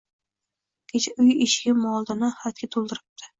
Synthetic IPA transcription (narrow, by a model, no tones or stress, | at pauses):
kʲʰet͡ʃʰaʊjɪʃɡʲɪmɒlˠd̪ɪnɪhat̪̚kʲat̪ʰolˠd̪ɪɾɪp̚t̪ʰɪ̥